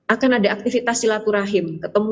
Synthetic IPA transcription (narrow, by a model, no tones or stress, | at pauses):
akanadaːk̚t̪ifit̪asilat̪uɾaɦɪmkət̪əmu